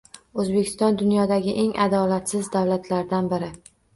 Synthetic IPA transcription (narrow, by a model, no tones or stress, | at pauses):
ɵzbekʲʰɪ̥st̪ɒnd̪ʊnjɒd̪aɡʲɪʔe̞ŋʔad̪ɒlat̪sɪzd̪awlat̪ʰlaɾd̪anbɪɾɪ